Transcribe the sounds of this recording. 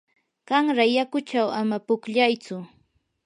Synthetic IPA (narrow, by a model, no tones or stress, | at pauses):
ɢɑŋɾajakʊt͡ʃawamapʊkʎajt͡sʊ